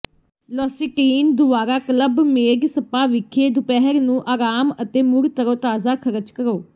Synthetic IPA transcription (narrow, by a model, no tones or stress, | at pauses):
lɔːsiːʈiːnd̪ʊaːɾaːkələbmeːɡsəpaːʋɪkʰeːd̪ʊpɛɦəɾnũːʔaːɾaːmət̪eːmʊɾt̪əɾoːt̪aːzaːkʰəɾəd͡ʒkəɾoː